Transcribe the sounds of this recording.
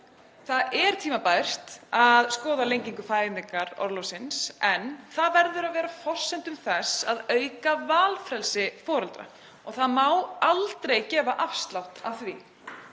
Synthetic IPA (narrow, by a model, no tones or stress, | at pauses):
θaɛɾ̥t̪ʰiːmapaːjr̥t̪aðskɔːðalejɲciŋkʏfaːjɪniŋkaɾɔ̰ɾlɔsɪnsɛnθaðvɛɾðʏɾavɛːɾafɔr̥sːɛnt̪ʏmθɛsaðœːɥkavaːlfɾɛlsɪfɔːɾʏlt̪ɾa̰ | ɔɣθaðmawalt̪ɾejcɛːvaʔafst̪lawht̪avθvi